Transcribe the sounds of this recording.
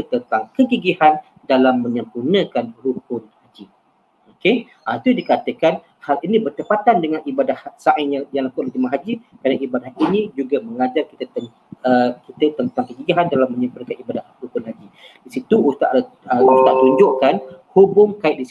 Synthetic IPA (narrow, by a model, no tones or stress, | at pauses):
ət̪ənt̪aŋkəɡiɡihan | dalamːə̃ɲə̃mpurnə̃kanrukʊnhad͡ʒi | oke | ʔait̪udikat̪əkan | halinĩbərt̪əpat̪andəŋanʔibadahsaʔɪŋjajaŋlakuʔlad̪imaɦad͡ʒikɾadaŋibadahinĩd͡ʒuɡaməŋad͡ʒarkit̪ət̪ə | əkit̪ət̪ənt̪aŋkəɡiɡiɦandalamːə̃ɲə̃mpurnəkanibadahɾukʊnɦad͡ʒidisit̪uust̪a̰ʔəust̪aʔt̪uɲd͡ʒʊʔkanhubʊŋkaɪt̪ʔ̚disi